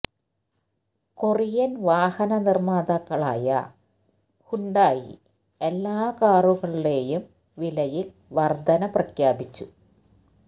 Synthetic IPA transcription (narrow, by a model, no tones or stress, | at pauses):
korijɐnʋaːhɐnɐnirmaːd̪ɐkːɐɭa̰ːjɐ̰ | huɳɖaːjḭ | elːaːkaːruɣɐɭile̞ːjum | ʋilɐjil | ʋɐrd̪ʱɐnɐprɐkjaːbit͡ɕːu